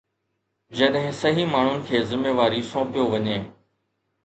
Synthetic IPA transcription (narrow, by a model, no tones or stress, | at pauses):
d͡ʑɐɗɦɪ̃sɐɦimaːɳ̤ʊnɪ̆kʰeːzɪmeːʋaːɾisɔ̃ːpijoʋɐɲeː